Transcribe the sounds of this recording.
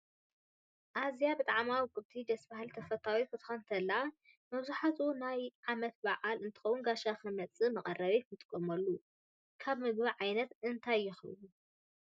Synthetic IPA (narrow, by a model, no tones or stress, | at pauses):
ʔazjabɨt̪ʼaʕmawkʼɨβt̪ʰid̪ɐsbahɨlt̪ʰɐfɐt̪ʰawifɨt̪ʰʼxɐnt̪ʰɐlːa | mɐβzuħat̪ʰunajʕamɐt̪̚baʕalɨnt̪ʰɨ̥xɐwunɡaʃaxɐmɐt͡sʼɨmɐχʼɐrːɐβimʰɨt̪ʼɨkʼːɐmɐlːu | kʰaβmɨɡβiʕajnɐt̪ɨnt̪ʰajːɪxɨɨ̰lu